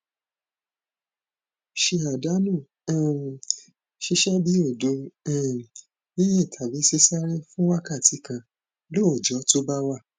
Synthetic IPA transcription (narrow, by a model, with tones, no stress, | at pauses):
ʃe˧a˨da˨˦nũ˦˨ | ʃi˧ʃɛ˦bi˨˦o˦˨dõ˨˦˨ | nĩ˦jĩ˦˨tʰa˨bi˨˦se˧˦sa˦ɾĩ˦fũ˦wa˦ka˦˨ti˨˦kã˧ | lo˦o˨d͡ʒɔ˨˦to˦ba˦wa˦˨